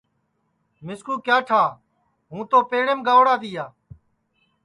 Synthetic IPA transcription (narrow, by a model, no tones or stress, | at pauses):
mɪskuːkjaːʈʰaː | ɦũːt̪oːpeːɽeːmɡaːʋɽaːd̪iːjaː